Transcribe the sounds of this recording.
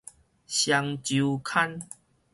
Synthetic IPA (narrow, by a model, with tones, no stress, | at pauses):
ɕja˧ŋt͡ɕu˨˧kʰa˦n